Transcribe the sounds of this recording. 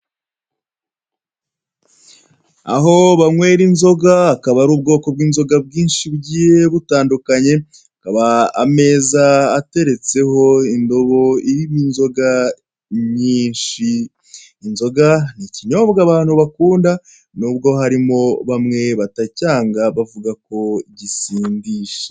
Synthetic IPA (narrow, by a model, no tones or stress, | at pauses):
a̰ɦo̞βamŋwe̞ːɾinzo̞ɡaːkaβaɾuːb̚ɡo̞ːko̞bɡiːnzo̞ɡab̚ɡiːnʃibɟiːje̞βutaːndukaɲe̞ | akaβaːme̞ːzaːte̞ɾe̞t͡se̞ho̞indo̞βo̞iɾiβinzo̞ɡa | ɲiːnʃiː | nzo̞ɡaniciɲo̞bɡaβaːn̥huβakuːnda | nuːbɡo̞ɦaɾimo̞βamŋe̞βatacaːŋɡaβavuɡako̞ɟisiːndiːʃe̥